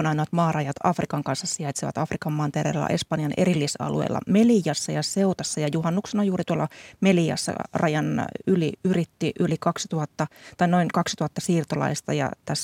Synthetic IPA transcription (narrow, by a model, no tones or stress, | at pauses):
onɑinoɑt̪mɑːrɑjɑt̪ʰɑ̰frikɑŋkɑnsːɑssiɑjt̪seʋɑ̰t̪ɑfrikɑmːɑnt̪erḛːlːɑ̰ʔe̞spɑnjɑnʔe̞ɾilːisɑ̰lṵḛilːɑ̰melijɑsːɑjɑse̞ut̪ɑsːɑjɑjuɦɑnːuksenɑjuːrit̪uolːɑmeliɑ̰sːɑ̰rɑjɑnyliyrit̪ːiʔylikɑksi̥t̪uɑt̪ːɑt̪ɑino̞iŋkɑksit̪uɑt̪ːɑsiːrt̪olɑ̰ist̪ɑjɑ̰t̪æs